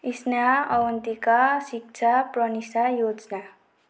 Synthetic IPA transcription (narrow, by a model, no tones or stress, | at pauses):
isnaʌwʌnt̪ikasik̚t͡sʰaprʌnisajod͡zna